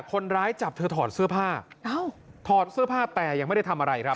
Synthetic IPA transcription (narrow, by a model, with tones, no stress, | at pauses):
kʰːo˧nɾaː˦˥jt͡ɕa˨˩p̚t̪ʰɤː˧t̪ʰɔː˨˩t̪̚sɯ˦˥˩ɐpʰaː˥˩ʔa˧˥˩wt̪ʰɔː˨˩t̪̚sɯ˥˩ɐpʰaː˥˩p̚t̪ɛː˨˩ja˧ŋma˥˩da˥˩t̪ʰa˧mʔa˧ɾa˧jkʰɾa˦˥p̚